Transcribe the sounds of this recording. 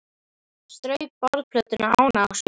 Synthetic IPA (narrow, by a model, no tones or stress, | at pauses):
st̪ɾœɥp̚pɔɾðpʰlœt̪ʏnaa̰ːwnaaks